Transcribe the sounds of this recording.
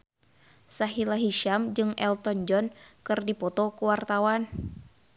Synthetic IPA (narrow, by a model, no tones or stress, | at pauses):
saɦilaɦiʃamd͡ʒɨŋʔɛlt̪ɔnd͡ʒɔnkɨrdipɔt̪ɔkuwart̪awan